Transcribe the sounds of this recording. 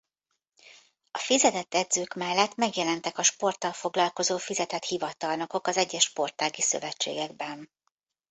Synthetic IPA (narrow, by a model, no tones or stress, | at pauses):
ɒfizɛt̪ɛt̪ːɛd̪zøːkmɛlːɛt̪mɛɡjɛlɛnt̪ɛkɒʃpo̞rt̪ɒlfo̞ɡlɒlko̞zoːfizɛt̪ɛt̪hivɒt̪ɒlno̞ko̞kɒzɛɟːɛʃpo̞rt̪aːɡisø̞̰vɛt͡ʃːḛːɡɛɡ̚bɛn